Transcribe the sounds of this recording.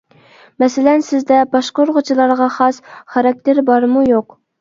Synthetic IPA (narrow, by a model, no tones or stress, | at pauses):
mɛsɪlɛnsɪzd̪ɛbɑʃqoɾʁʊt͡ʃʰilˠɑɾʁɑχɑsχɑɾɑk̚ʲt̪eɾbɑɾmujoq